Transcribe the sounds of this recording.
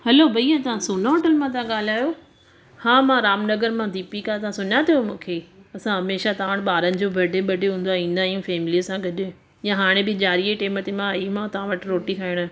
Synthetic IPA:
hɐloːbʱɐiãt̪ɐʋãsuːnoːʈəlmãt̪aãɠaːl̤aːjoː | hãːmãɾaːmnɐɡəɾmãd̪iːpikat̪ɐãsʊnjat̪ʰijomũːkʰeːɐsãɦɐmeːʃat̪ɐaəɽ̃ɪɓaːɾənɪ̆d͡ʑoːbʱɐɖʱeɓɐɖʱeɦũːnd̪aːĩːn̆d̪aːɦijũːfɛːmliəsãɡʱɐɗ | ɪjãɦaːɽ̃ẽbɪd͡ʑaːɾieʈeːmət̪emãaːimãt̪ɐʋ̤ãʋɐʈɾoːʈikʰaːɪɽ̃

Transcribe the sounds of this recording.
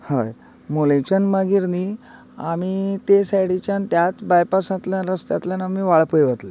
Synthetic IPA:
haj | molẽt͡ɕənmaɡiɾni | amiːt̪esajɽit͡ɕjant̪jat͡sbajpasãt̪ljãnɾəst̪jat̪ljanamiːʋaɭpəjʋət̪le

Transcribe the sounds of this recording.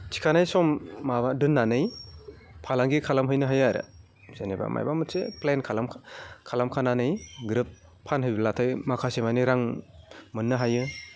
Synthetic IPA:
t͡ʃʰi̥kʰanajsɔmːabadɯnːanɯj | pʰalaŋɡikʰalamɦɯjnɯɦajaɾɯ̰ | zeneba̰mʔa̰jbamɯtseplenkʰalamkʰalamkʰananɯjɡɾɯp̚ːʰ | anɦɯjbilatʰɯjmakʰasemajniɾaŋmɯnːɯɦajɯ

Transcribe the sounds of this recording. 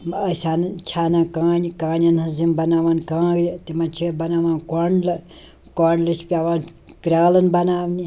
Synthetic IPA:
ɐsaːnt͡ʃʰaːnakãːnʲikãːnʲɐnhɐzimbɐnaːʋaːnkãːɡɾʲit̪imɐnt͡ʃʰibɐnaːʋãːnkoɳl | kɔɳlɨt͡ʃʰpʲaːʋaːn | kɾʲaːlɐnbɐnaːʋnʲi

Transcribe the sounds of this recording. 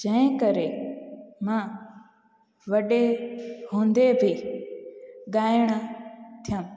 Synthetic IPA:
d͡ʒɐ̃ɦɪ̃kəɾe | mã | ʋɐɗeɦõːnd̪ebʱi | ɠaːɪɽ̃ət̪ʰijə̃m

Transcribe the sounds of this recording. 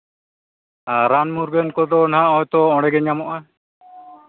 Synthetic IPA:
aɾanmuɾɡɛnkɔd̪ɔnaɔjt̪ɔɔ̃ɽɛɡɛɲamɔʔa

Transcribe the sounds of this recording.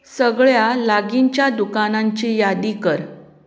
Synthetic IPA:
səɡɭjalaɡiɲt͡ɕjad̪ukanaɲt͡ɕijad̪ikəɾ

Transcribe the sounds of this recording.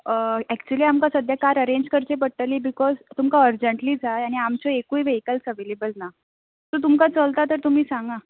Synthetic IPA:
ɛkt͡ɕuəliːamkasəd̪ʱjakaɾəɾeɲd͡ʑkəɾt͡ɕepəɽʈəliːbikɔzt̪umkaəɾd͡ʑəɳʈliːd͡zajaɽ̃iamt͡ɕɔekuːiʋeikəlsəʋelebəlna | t̪ut̪̬umkat͡səlt̪at̪əɾt̪um̤iːsãŋɡa

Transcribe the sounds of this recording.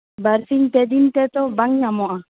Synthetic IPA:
baɾsiŋt̪ɛd̪int̪ɛt̪ɔbaŋɲamɔʔa

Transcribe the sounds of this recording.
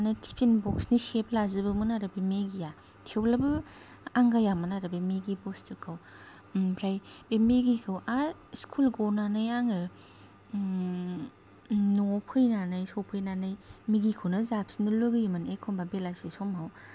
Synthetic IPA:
nɯtʰi̥pʰinbɔksniseplazɯbɯmɯnaɾɯbimeɡija | tʰewlabɯ | aŋɡajamanaɾɯbemeɡibɔstɯkʰaw | pʰɾajbemeɡikʰawaɾskʰulɡɔnanɯjaŋɯ | nɔpʰɯjnanɯjsɔpʰɯjnanɯjmiɡikʰɯwnɐzap̚sinɯlɯɡɯjmanekʰɔmbabelasisɔmaw

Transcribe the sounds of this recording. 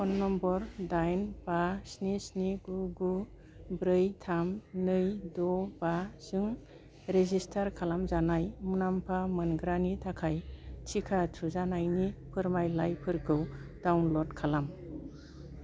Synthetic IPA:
ɔnːɔmbɔɾdajnbasnisniɡuɡu | bɾɯjtʰamnɯjdɔbaz̥ɯŋ | ɾezistʰaɾkʰalamzanajmunampʰamɯnɡɾanitʰakʰajtʰikʰatʰuzanajnipʰɯɾmajlajpʰɯɾkʰɯwd̥awnlɔdkʰalam

